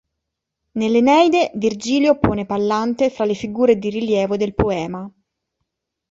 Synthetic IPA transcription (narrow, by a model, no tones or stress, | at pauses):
nelːenɛjd̪evird͡ʒiːljopoːnepalːant̪efɾalefiɡuːɾed̪iriljɛːvod̪elpoɛːma